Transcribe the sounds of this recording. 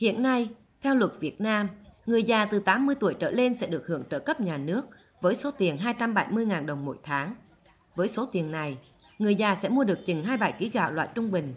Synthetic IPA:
hḭ˧˨ənːa˧j | t̪ʰɛ˧wlwə˨˩t̚vi˨˩ət̚naː˧mŋɨ˨˩əjzaː˨˩t̪ɨ˨˩t̪aː˨˦mːɨ˧əjt̪u˧˩əjt͡ɕə̰ː˧˩le˧nsɛ̰˧˥ɗɨ˨˩ək̚hɨ̰˧˩əŋt͡ɕəː˧˩kə˦˥p̚ɲaː˨˩nɨ˦˥ək̚ | vəː˨˦jso˨˦t̪i˨˩ənɦaː˧jt͡ɕa˧mɓa˧˩jmɨ˧əjŋaː˨˩nɗə˨˩wŋ͡mmo̰˧˥˨jt̪ʰaː˨˦ŋ | vəː˨˦jso˨˦t̪i˨˩ənːa˨˩j | ŋɨ˨˩əjzaː˨˩sɛ̰˧˥mu˧əɗɨ˨˩ək̚t͡ɕi˨˩ŋ̟ɦaː˧jɓa̰ː˧˩jki˨˦ɣa̰ː˧˩wlwa̰ː˧˨jt͡ɕʊ˧ŋ͡mɓï˨˩ŋ̟

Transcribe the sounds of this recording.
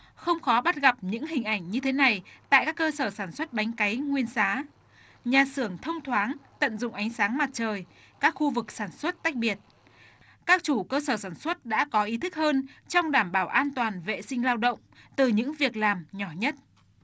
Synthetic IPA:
xə˧wŋ͡mxɔ˨˦ɓa˦˥t̚ɣa˨˩p̚ɲɨ̰˧˥ŋhï˨˩ŋ̟ʔa˧˩jŋ̟ɲɨ˧t̪ʰe˨˦na˨˩jt̪a̰ː˧˨jkaː˦˥kːəː˧səː˧˩saː˧˩nswə˦˥t̚ɓa˨˦jŋ̟ka˨˦jŋwi˧ənsaː˨˦ | ɲaː˨˩sɨ˧˩əŋt̪ʰə˧wŋ͡mt̪ʰwaː˨˦ŋt̪ə̰˧˨nzʊ̰˧˨ŋ͡mʔa˨˦jŋ̟saː˨˦ŋma˨˩t̚t͡ɕəː˨˩j | kaː˦˥k̚xu˧vɨ˨˩k̚saː˧˩nswə˦˥t̚t̪a˦˥jk̟̚ɓi˨˩ət̚ | kaː˦˥k̚t͡ɕu˧˩kəː˧səː˧˩saː˧˩nswə˦˥t̚ɗa̰ː˧˥kɔ˨˦ʔi˨˦t̪ʰɨ˦˥k̚həː˧nt͡ɕɔ˧wŋ͡mɗaː˧˩mɓaː˧˩wʔaː˧nt̪waː˨˩nvḛ˧˨sï˧ŋ̟laː˧wɗə̰˧˨wŋ͡mt̪ɨ˨˩ɲɨ̰˧˥ŋvi˨˩ək̚laː˨˩mɲɔ˧˩ɲə˦˥t̚

